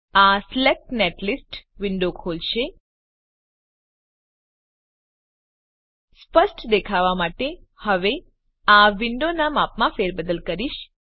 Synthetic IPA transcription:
aslek̚ʈneʈlisʈʋɪɳɖokʰolʃe | spəsʈd̪ekʰaʋamaʈehəʋe | aʋɪɳɖonamapmãfeɾbəd̪əlkəɾiʃ

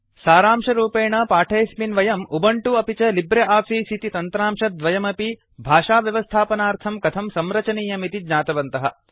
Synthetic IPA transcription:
saːɾaːmʂɐɾuːpeːɳɐpaːʈʰeːsminʋɐjɐmubɐɳʈuɐpit͡ʃɐlibɾɐʔaːfʰisit̪it̪ɐnt̪ɾaːmʂɐd̪ʋɐjɐmɐpi | bʱaːʂaːʋjɐʋɐst̪ʰaːpɐnaːɾt̪ʰɐmkɐt̪ʰɐmsɐmɾɐt͡ʃɐniːjɐmit̪id̪ɲaːt̪ɐʋɐnt̪ɐɦɐ

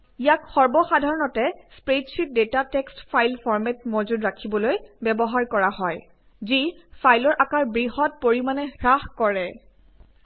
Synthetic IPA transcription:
ijakxɔɹbɔxadʱaɹɔnɔtɛspɹetsit̚detatekstpʰajlpʰɔɹmetmozudɹakʰibɔlojbɛbɔɦaɹkɔɹaɦɔj | zipʰajlɔɹʔakaɹbɹiɦɔt̚poɹimanɛxɹaxkɔɹɛ

